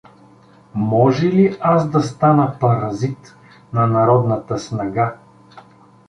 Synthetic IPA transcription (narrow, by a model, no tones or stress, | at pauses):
mɔʒɛliʔasd̪ɐst̪anəpɐɾɐzit̪ | nɐnɐɾɔd̪nət̪əsnɐɡa